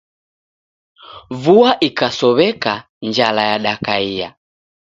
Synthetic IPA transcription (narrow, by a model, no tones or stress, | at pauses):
vuaʔikasɔβɛka | nd͡ʒalajaɗakaia̰